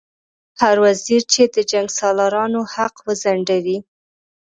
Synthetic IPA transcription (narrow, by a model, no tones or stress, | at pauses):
haɾwaziɾt͡ʃed̪əd͡ʒaŋɡsɑlaɾɑnohaqwəzaɳɖawi